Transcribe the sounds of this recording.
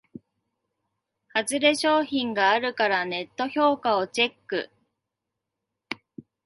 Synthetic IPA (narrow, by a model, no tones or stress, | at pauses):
hat͡sɨɾe̞ɕo̞ːçĩŋɡaːɾɯ̟kaɾane̞t̪ːo̞ço̞ːkao̞t͡ɕe̞kːɯ̟̰